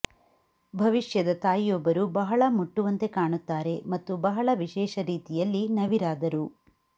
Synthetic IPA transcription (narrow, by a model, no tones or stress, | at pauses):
bʱɐʋiʂjɐd̪ɐt̪aːjijɔbːɐɾubɐɦɐɭɐmuʈːuʋɐnt̪e̞kaːɳut̪ːaːɾe̞mɐt̪ːubɐɦɐɭɐʋiʃɛːʃɐɾiːt̪ijɐlːinɐʋiɾaːd̪ɐɾu